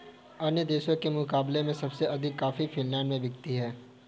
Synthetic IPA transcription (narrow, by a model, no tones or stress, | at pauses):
ɐnjəd̪eːʃokemʊkaːblemẽsɐbseʔɐd̪ʱɪkːaːfifɪnlɛ̃ːɳɖmẽbɪɡt̪iɦɛː